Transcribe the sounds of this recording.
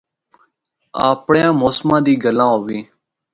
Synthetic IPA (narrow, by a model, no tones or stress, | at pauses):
aːpɳjãːmoːsmãːd̪iːɡəlãːɦoːʋĩː